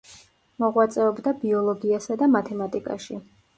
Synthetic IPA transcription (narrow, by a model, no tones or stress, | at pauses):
mɔʁwat̪sʼɛɔbd̪abiɔlˠɔɡiasad̪amat̪ʰɛmat̪ʼikʼa̰ʃi